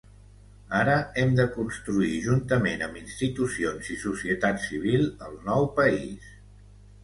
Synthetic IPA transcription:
aɾəɛmd̪əkunst̪ɾuiʒunt̪əmenəminst̪it̪usionzisusiət̪at̪siβ̞ilˠəlˠnɔwpəḭs

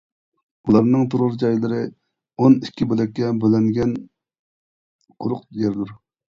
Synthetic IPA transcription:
ulˠɑɾnɨŋt̪ʰuɾɾd͡ʒɑjlˠɨɾɨ | onikʲːibølɛk̚ʲːɛbølɛŋɡʲɛn | qʰʊɾʊqjɛɾd̪uɾ

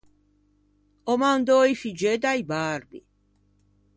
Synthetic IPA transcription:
ɔmand̪ɔːifid͡ʒɛːd̪ajbaːɾbḭ

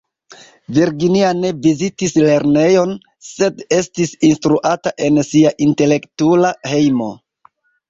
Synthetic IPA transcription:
viɾɡiniane̞vizitisle̞ɾne̞jo̞n | se̞de̞stisinstɾuʔataʔe̞nsiaʔinte̞le̞ktulahe̞jmo̞̰

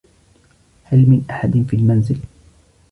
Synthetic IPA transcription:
halmɪnʔaħad̪nfiːlmanzɪl

